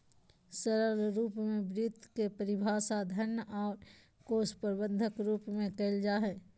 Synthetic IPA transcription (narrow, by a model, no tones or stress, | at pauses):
səɾəlɾuːpmẽbɾiːt̪kepəɾɪbʱaːsad̪ʱənɔːɾ | koːspəɾbə̃nd̪ʱəkɾuːpmẽkɐɪld͡ʒaːɦɛː